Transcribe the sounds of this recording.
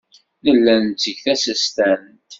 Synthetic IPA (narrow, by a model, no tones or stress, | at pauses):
nəlːænt͡sːəʝθæsəst̪æn | t̪